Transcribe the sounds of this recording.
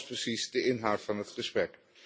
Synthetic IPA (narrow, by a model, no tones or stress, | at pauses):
sprəsizdəɪnɦawtfɑnɦətχəsprɛk